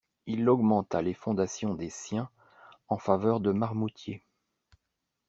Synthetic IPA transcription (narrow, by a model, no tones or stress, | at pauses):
ilɔɡmɑ̃t̪alefɔ̃d̪asjɔ̃d̪esjɛ̃ | ɑ̃favœʁd̪əmaʁmut̪je